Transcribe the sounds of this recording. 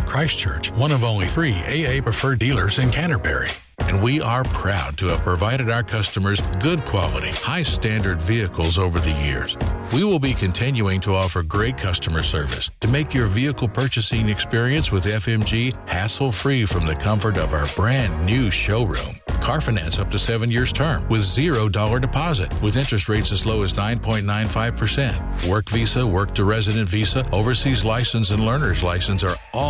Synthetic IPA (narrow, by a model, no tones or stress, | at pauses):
kʰɹ̥aɪst͡ʃʰɜ̰˞t͡ʃwʌ̃ñʌvõʊ̃nliθɹieɪeɪpɹ̥ɨfɜ˞dilˠə˞zɨ̃nkʰæ̃ɾ̃ə˞bɛ̰ɹḭ | ɨ̃nwiə˞pʰɹ̥aʊd̚tʰɨɨv̥pʰɹ̥ɨvaɪɾɨɾaʊə˞kʰʌstəmə˞zɡʊd̚kʰw̥ɑlˠə̰ɾḭhaɪstæ̃ndə˞dviɨkl̩ˠzoʊvə˞ðɨjɪ̰ɹz̥wiwɪlˠbikʰɨ̃ntʰɪ̃njʉɪ̃ŋtʰəɔfə˞ɡɹeɪt̚kʰʌstəmə˞sɜ˞vɨ̰stʰɨmeɪkjə˞viɨkl̩ˠpʰɜ˞t͡ʃɨsɪ̃ŋɨkspɪɹiɨ̃nswɨðɛfɛ̃md͡ʒihæsl̩ˠfɹifɹʌ̃mðɨkʰʌ̃ɱfə˞ɾʌvaʊə˞bɹæ̃nːʉʃoʊɹṵ̃mkʰɑɹfɨnæ̰̃nsʌp̚tʰɨsɛvɨ̃njɪɹz̥tʰɜ̃˞mwɨðzɪɹoʊdɔlˠə˞dɨpʰɑzɨ̰t̚wɨðɪ̃nt͡ʃɹ̥ɨst̚ɹeɪtsɨzloʊɨznãɪ̃npʰɔ̃ɪ̃nnːãɪ̃nfaɪv̥pʰə˞sɛ̃nt | wɜ˞kvisəwɜ˞k̚tʰɨɹɛzɨɾɨ̃ntvisəoʊvə˞sizlaɪsɨ̃n̩sɨ̃nlɜ̃˞nə˞zlaɪsɨ̃n̩sə˞ | ɔ